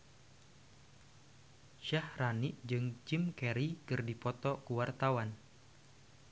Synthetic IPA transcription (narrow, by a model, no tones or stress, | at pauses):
ʃahraniʔd͡ʒɨŋd͡ʒimkɛɾikɨrdipɔt̪ɔkuwart̪awan